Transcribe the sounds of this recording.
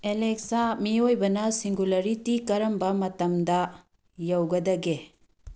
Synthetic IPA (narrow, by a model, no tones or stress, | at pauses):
elek̚samiojbɐnɐsiŋɡulɐɾitikɐɾɐmbɐmɐtɐmdɐ | jɐwɡɐdɐɡe